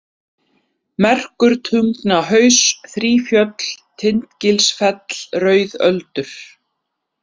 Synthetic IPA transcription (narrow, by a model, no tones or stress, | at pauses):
mɛr̥kʏɾt̪ʰʏŋknaɦœɥsθɾiːfjœt̪lt̪ʰɪnt̪cɪlsfɛt̪lrœːɥðœ̰lt̪ʏɾ̥